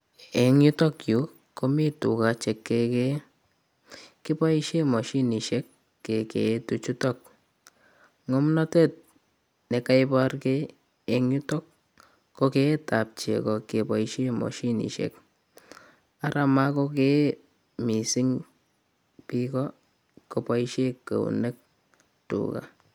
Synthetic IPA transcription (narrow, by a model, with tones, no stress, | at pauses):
e˨ŋɲu˦tɔ˦kju˨ | ko˦mi˦tṵ˨ka˨t͡ʃɛ˨kːeke˦ | ki˦pɔ˦iʃe˦mɔ˨ʃi˦ni˨ʃɛ˦kː | e˨kḛtu˨t͡ʃu˦tɔk̚ | ŋɔ˦mnɔ˦te˦t̚ | ne˨ka˦ɪbɔrke˦ | eŋju˦tɔ˦kː | oke˦tap̚t͡ʃḛ˨kɔ˨ke˨pɔiʃe˦mɔ̰˨ʃi˦nḭ˨ʃɛ̰k | a˦ɾʔa˨ma˦ko˦k̬e | mi˨si˦ŋ | pikɔ˦ | ko˨pa˦iʃekːə̰˨ṵ˨ne˦k̚ | tṵka̰˨